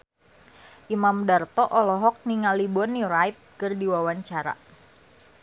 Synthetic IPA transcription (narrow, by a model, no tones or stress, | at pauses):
ʔimamdart̪ɔʔɔlɔɦɔk̚niŋalibɔnjuɾajt̪̚kɨrdiwawaɲt͡ʃaɾa̰